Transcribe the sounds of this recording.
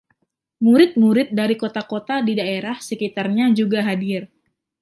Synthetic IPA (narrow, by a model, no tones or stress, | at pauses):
muɾɪt̪̚muɾɪt̪̚daɾikot̪akot̪adidaeɾahsəkit̪arɲad͡ʒuɡaɦadɪr